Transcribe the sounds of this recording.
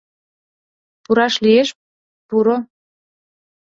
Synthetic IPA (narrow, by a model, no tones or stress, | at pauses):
puɾɑʃlieʃ | puɾo